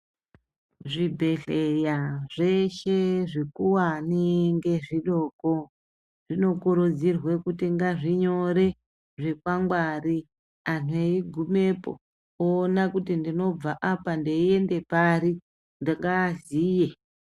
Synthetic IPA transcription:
ʐibʱe̞ɬe̞jaʐe̞ʃe̞ʐikuwaniŋɡe̞ʐiɗo̞ːko | ʐ̥ino̞kuɾud͡zirwe̞kutiŋɡaʐiɲo̞ɾe̞ | ʐe̞kwaŋɡwari | anueiɡʱume̞po̰ | oːnakutindino̞b͡vaʔapandeie̞nde̞paɾi | ndaŋɡaːziːje̞

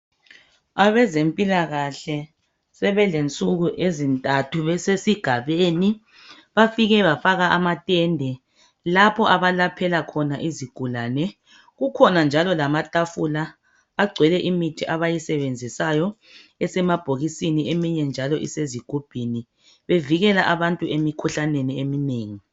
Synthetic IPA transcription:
aβɛzempʼilaɣaɬɛ | sɛβɛlent͡sʼuɣuʔezintʼatʰuβɛsesiɡ̥ʱaβeni | βafiɣɛβafaɣaʔamatʼɛndʱɛ | lapʰɔʔaβalapʰɛlakʰɔnaʔiziɡ̥ʱulaːnɛ | ɣukʰɔnand͡ʒʱalɔlamatʼafulaː | ɡ͡ǀʱwɛlɛʔimitʰiʔaβajisɛβend͡zʱisajɔ | ɛsɛmab̥ʱoɣisiniemiɲɛnd͡ʒʱalɔʔḭseziɡ̥ʱub̥ʱini | βeviɣɛlaʔaβantʼuemikʰuɬaneniemineːŋi

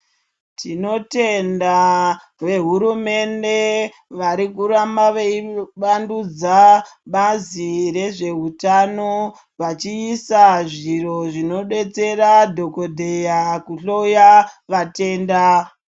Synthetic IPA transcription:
tino̞te̞nda | ʋe̞ɦuɾume̞nde̞ | ʋaɾikuɾamaʋeiʋandud͡zaɓaziɾe̞ʐe̞ɦutano | ʋat͡ʃiːsaʐiro̞ʐino̞ɗe̞t͡se̞ɾadʱo̞ko̞dʱe̞jakuɬojaʋate̞ːnda

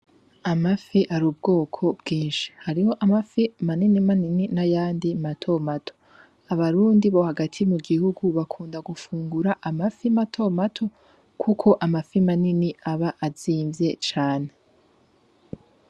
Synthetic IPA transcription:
amafiʔaɾuːb̚ɡo̞ːkʰo̞bɡiːnʃi̥haɾiho̞ʔamafimaninimanininajaːndimatʰo̞matʰo̥ | aβaɾuːndiβo̞haɡatʰimuɡihuɡuβakʰuːndaɡufuːŋɡuɾaʔamafimatʰo̞matʰo̞ | kʰukʰo̞ʔamafimaniniʔaβaʔaziːɱvje̞t͡ʃaːne̞

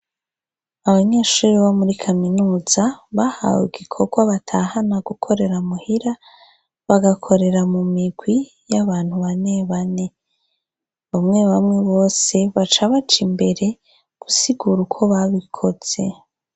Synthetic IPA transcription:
aβaɲe̞ːʃuːɾiβomuɾikʰaminuːzaβaha̰wḭɡikʰoɡwaβatʰahanaɡukʰo̞ɾe̞ɾamuhiɾa | βaɡakʰo̞ɾe̞ɾamumiɡwi | jaβaːn̥huβane̞βane̞ | βamŋe̞βamŋe̞βo̞ːse̞βat͡ʃaβat͡ʃimbe̞ɾe̞ | ɡ̥usiɡuɾukʰo̞βaβikʰo̞z̥e̞

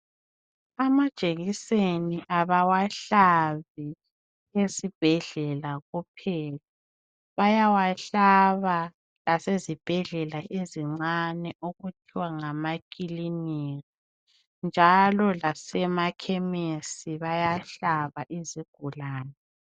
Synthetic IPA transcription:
amad̥ʒ̥ʼʱeɣiseniʔaβawaɬaβi | esib̥ʱɛɮɛlaɣup̚ʰɛːla | βajawaɬaβa | lasezib̥ʱɛɮɛlaʔeziŋ͡ǀanɛʔoɣutʰiwaŋamakʼiliniri | nd͡ʒʱalɔlasɛmakʰɛmesiβajaɬaβaʔiziɡ̥ʱulaːnɛ

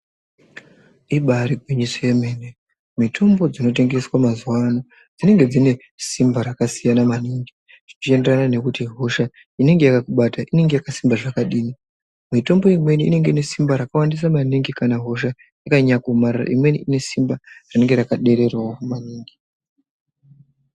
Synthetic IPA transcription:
iɓaɾiɡʱwiɲisojeme̞ne | mitʰo̞mbo̞d͡zino̞t̬e̞ŋɡe̞swamazuwano | d͡zine̞ŋɡe̞d͡zine̞ | simbaɾakasijanamaniːŋɡi | ʐ̥it͡ʃie̞nderanane̞kutiɦo̞ʃa | ine̞ŋɡe̞jakakuɓataʔine̞ŋɡe̞jakasimbaʐakaɗiːni | mito̞mbo̞imwe̞niːne̞ŋɡe̞ine̞simbaɾakawandis̬amaniŋɡikanaɦo̞ʃa | jakaɲakomarara̰ʔimwe̞niine̞simbarine̞ŋɡe̞ɾakaɗe̞ɾe̞rwawokumaniːŋɡi

